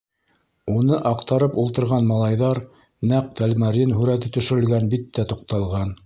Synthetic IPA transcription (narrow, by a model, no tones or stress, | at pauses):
unɤʔɑqt̪ɑɾɤpulˠt̪ɤ̆ɾʁɑnmɑlˠɑjðɑɾ | næq̚t̪ælmæɾinɦʉɾæt̪ɘt̪ɵ̆ʃɘ̆ɾɘ̆lɡænbit̪ːæt̪oq̚t̪ɑlˠʁɑn